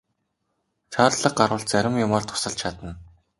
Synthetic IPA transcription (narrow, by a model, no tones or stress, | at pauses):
t͡ɕʰaːrɮə̆q̚ɢaɾʊːɬt͡sæɾʲɪ̆mjʊmɔːrt̪ʰʊ̥sə̆ɬt͡ɕʰat̪ə̆n